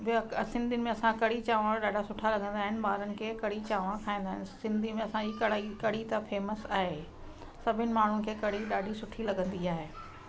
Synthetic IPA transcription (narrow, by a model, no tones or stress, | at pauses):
bksɪ̃nd̪ʱinɪmẽɐsãkɐɽit͡ɕaːʋaɗaːɖʱasʊʈʰalɐɡʱə̃nd̪aːɦɪnɪ̆ɓaːɾənɪ̆kʰeːkɐɽ̤it͡ɕaːʋãkʰaːĩnd̪aːɦɪnɪsɪ̃nd̪ʱimẽɐsãd͡ʑikɐɽikɐɽ̤it̪ɐfeːməsaːɦe | sɐbʱɪnɪ̆maːɳ̤unɪ̆kʰeːkɐɽ̤iɗaːɖʱisʊʈʰilɐɡə̃nd̪iaːɦeː